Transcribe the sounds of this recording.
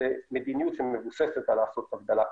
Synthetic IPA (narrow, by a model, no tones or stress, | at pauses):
emed̪injut̪ʃemevuseset̪alaːsot̪aɡ̚d̪ala